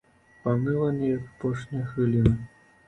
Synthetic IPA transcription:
pamɨlˠɐnɛjɐkpɔʂnʲijɐxɨlʲinɨ

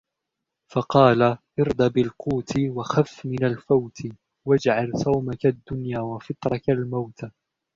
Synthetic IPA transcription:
fɑqɑːlaʔɪɾd̪ˤɑbɪlquːt̪ɪwaxafːmɪnalfawt̪ʰɪ | wad͡ʒʕalsˤɑwmakad̪ːʊnjaːwafɪt̪ˤɾˤɑkalmawt̪a

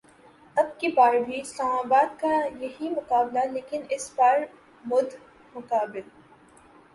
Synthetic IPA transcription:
ɐb̚kebaːɾbʱiɪslaːmaːbaːd̪kajɐɦimʊkaːblaleːkɪnɪsbaːɾ | mʊd̪ʱ | mʊkaːbɪl

